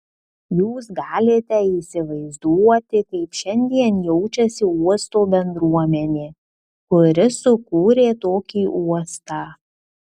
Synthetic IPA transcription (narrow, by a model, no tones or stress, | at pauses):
juːsɡɑːlʲet̪ʲɛiːsʲɪʋɐɪzd̪uɔt̪ʲɪkɐɪpʃʲɛnʲd̪ʲiɛnjɛʊt͡ʃʲɛsʲɪuɔst̪oːbʲɛnd̪ɾuɔmʲɛnʲeː | kʊɾʲɪsʊkuːɾʲeːt̪oːkʲiːʔuɔst̪ɑː